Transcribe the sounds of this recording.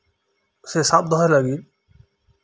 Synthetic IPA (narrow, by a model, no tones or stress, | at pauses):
sesap̚d̪ɔɦajlaɡil